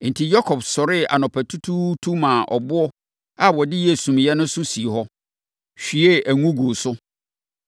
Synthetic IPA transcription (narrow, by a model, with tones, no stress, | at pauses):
n̩˨tʰi˨jɔ˦kʰɔ˨bsɔ˨ɾɪ˦a̰˨nɔ̃˨pʰæ˨tʰu˦tʰu˦tʰu˦mã˨ʔɔ̰˨bʊ˦ɔ˦ | a˦˨wɔ˨dɪ˦jɛ˨sũ˨mjɛ˦nʊ̃˦sʊ˦si˨e˨ɦɔ˦ | ɕᶣi˨e˦æ˨ŋũ˦ɡu˨sʊ˦